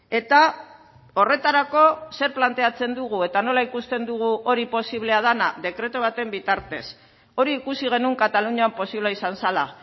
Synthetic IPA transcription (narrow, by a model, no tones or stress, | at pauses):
e̞t̪a | o̞re̞t̪aɾako̞se̞ɾplant̪e̞at͡se̞nd̪uɣ̞ue̞t̪ano̞laikust̪e̞nd̪uɣ̞uo̞ɾipo̞siβle̞að̞anaðe̞kɾe̞t̪oβat̪e̞mbit̪aɾt̪e̞s | o̞ɾiːkusiɣ̞e̞nuŋkat̪aluɲoampo̞siβlaisansala̰